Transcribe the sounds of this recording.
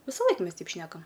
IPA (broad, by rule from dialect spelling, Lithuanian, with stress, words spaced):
ʋʲɪsɐˈlˠɐɪk ˈmʲɛs ˈtʲɛɪp ˈʃʲnʲæːkɐm